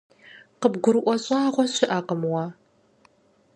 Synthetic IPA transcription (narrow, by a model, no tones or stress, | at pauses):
qəbɡʷʊɾɨʔʷɔɕʼaːʁʷɔɕɪʔaːqəmwaː